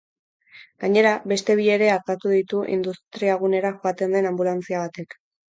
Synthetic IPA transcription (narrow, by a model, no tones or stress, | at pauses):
ɡaɲe̞ɾaβe̞st̪e̞β̞ie̞ɾe̞aɾt̪at̪uðit̪uʔḭnd̪ust̪ɾiaɣ̞une̞ɾaxoat̪e̞nd̪e̞nambulant͡siaβ̞at̪e̞k